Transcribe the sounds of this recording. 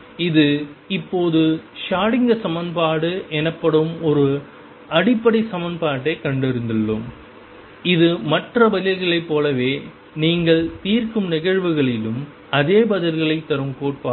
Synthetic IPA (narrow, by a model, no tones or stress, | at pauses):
ɪðɯɪpːoːðɯʂaːɽɪŋɡɐsɐmɐnpaːɽɯʔɛnɐpːɐɽɯmɔɾɯ | ɐɽɪpːɐɽisɐmɐnpaːʈːeːkɐɳɖɪɾɯnd̪ɪɭːɯm | ɪðɯmɐʈrɐbɐlɪlɣɐɭɐɪpːoːlɐʋeː | niːŋɡɐɭt̪iːrkɯmnɪɣɐɻʋɯɣɐɭɪlɯm | ɐðeːbɐðɪlɣɐɭɐɪt̪ːɐɾɯmkoːʈ̚paː